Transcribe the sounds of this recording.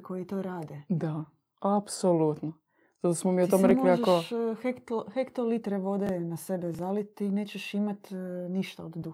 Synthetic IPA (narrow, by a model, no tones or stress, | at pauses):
kʰojit̪oːɾaːd̪ed̪a | apsolut̪no | z̥at̪osmomiot̪omeɾemkoliaʒekoʃhekt̪ohekt̪olit̪ɾeʋo̞d̪enase̞bezalit̪ineːt͡ɕeʃimat̪niʃt̪a̰od̪d̪u